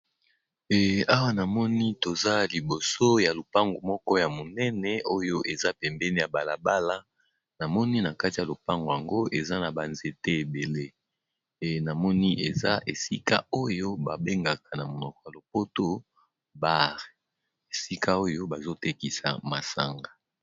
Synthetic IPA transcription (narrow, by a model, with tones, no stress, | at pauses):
ɛ˨a˦wa˦na˨mɔ˦ni˦to˨za˦li˨bo˨so˦ja˨lo˨pa˦ŋɡo˨mɔ˦kɔ˦ja˨mo˨nɛ˦nɛ˨o˦jo˦ʔe˨za˦pɛ˨mbɛ˦ni˦ja˨ba˨la˨ba˦la˦ | na˨mɔ˦ni˦na˨ka˦ti˨ja˨lo˨pa˦ŋɡo˨ja˨ŋɡo˦ʔe˨za˦na˨ba˨nze˨te˦e˨be˨le˦˨ | na˨mɔ˦ni˦ʔe˨za˦ʔe˨si˦ka̰˦o˦jo˦ba˨be˦ŋɡa˨ka˨na˨mo˨nɔ˨kɔ̥˨ja˨lo˨po˦to˦ | ba˦ʁe˨ | e˨si˦ka˦o˦jo˦ba˨zo˦te˦ki˨sa̰˨ma˨sa̰˨ŋɡa˨